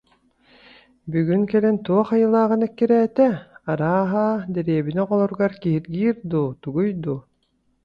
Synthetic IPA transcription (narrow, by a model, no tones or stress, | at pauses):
byɡynkɛlɛnt̪uɔχajɯlˠaːʁɯnɛkːiɾɛːt̪ɛaɾaːɦaːd̪ɛɾiɛbinɛqɔlˠɔɾɡaɾkiɦiɾɡiːɾd̪ut̪uɡujd̪u